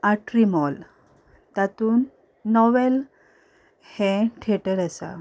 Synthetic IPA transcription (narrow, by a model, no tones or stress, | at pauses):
aʈɾimɔl | t̪at̪uːnː | ɔʋɛl | hɛ̃ʈʰeʈəɾəsa̰